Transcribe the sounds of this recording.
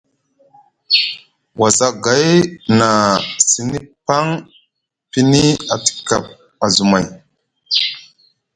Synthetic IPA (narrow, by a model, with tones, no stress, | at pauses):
wa˨za˦ɡa˨˦jna˨si˦ni˦pa˦ŋ | pi˦ni˦a˨ti̥˨ka̰˨p̚ | a˨zu˨ma˨j